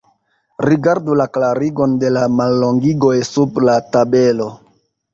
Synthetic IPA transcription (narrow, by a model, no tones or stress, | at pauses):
riɡaɾdulaklaɾiɡo̞nde̞lamalːo̞ŋɡiɡo̞jsublatabe̞lo̞